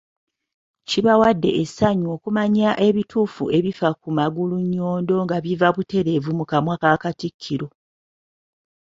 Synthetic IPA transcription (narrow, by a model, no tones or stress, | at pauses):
ciβawadːe̞̰ʔesaɲuo̞ːkumaɲaʔe̞βituːfue̞βifakumaɡuluɲːo̞ːndo̞ŋɡaβivaβute̞ɾe̞vumukamwakakatikʰːiɾo̞